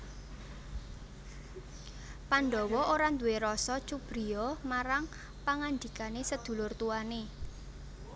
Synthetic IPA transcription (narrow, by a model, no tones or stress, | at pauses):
panɖɔwɔoɾand̪uweɾɔsɔt͡ʃub̥ɾiɔmaɾaŋ | paŋand̪ikanesəd̪̥ṳlʊrt̪uane